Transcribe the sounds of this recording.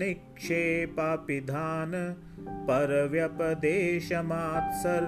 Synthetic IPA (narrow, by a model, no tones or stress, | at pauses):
ikʂeːpapid̪ʱaːnɐ | pɐɾɐʋjɐpɐd̪eːʃɐmaːt̪sɐɾ